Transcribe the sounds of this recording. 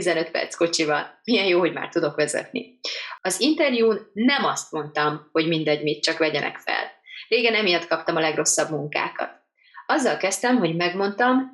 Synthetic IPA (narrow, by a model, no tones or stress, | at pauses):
izɛnø̞t̪pɛ̰rt̪sko̞t͡ʃivɒnmijɛjjoːɦo̞ɟma̰ːrt̪ud̪o̞kʋɛzɛ̰t̪nḭɒzint̪ɛrjuːnːɛmɒst̪mo̞nt̪ɒmho̞ɟmind̪ɛɟmit̪̚t͡ʃɒkʋɛɟɛnɛ̰kfɛ̰lreːɡɛnɛmijɛt̪kɒpt̪ɒmɒlɛɡro̞sːɒbmuŋka̰ːkɒ̰t̪ | ɒzːɒlkɛst̪ɛmɦo̞ɟmɛɡmo̞nt̪ɒm